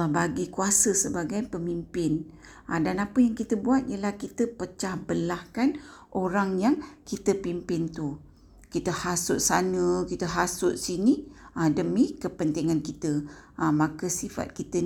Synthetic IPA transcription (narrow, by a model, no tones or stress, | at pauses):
lahbaɡikuasəsəbaɡajpəmimpɪn | ədanapəjaŋkit̪əbuat̪̚ijəlahkit̪əpət͡ʃahbəlahkan | ʔoɾaŋjaŋkit̪əpimpɪnt̪u | kit̪əhasʊt̪̚sanəkit̪əɦasʊt̪̚siniədəmikəpənt̪iŋãnkit̪əʔmãkəsifa̰t̪̚kit̪ə